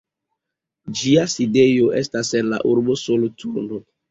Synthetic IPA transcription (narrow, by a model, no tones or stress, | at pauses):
d͡ʒiaside̞jo̞ʔḛstasenla̰ʔuɾbosolotʰuɾno